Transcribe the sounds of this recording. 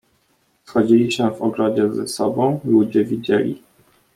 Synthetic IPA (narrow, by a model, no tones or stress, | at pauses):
sxɔd͡ʑilʲiɕɛvɔɡɾɔd͡ʑɛzɛ̰sɔbɔ̃w̃lud͡ʑɛvʲid͡ʑɛlʲḭ